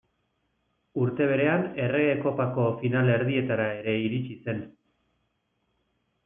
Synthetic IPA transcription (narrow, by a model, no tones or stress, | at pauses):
uɾt̪e̞β̞e̞ɾe̞ane̞re̞ɣeko̞pako̞finale̞ɾðie̞t̪aɾae̞ɾe̞iɾit͡ʃise̞n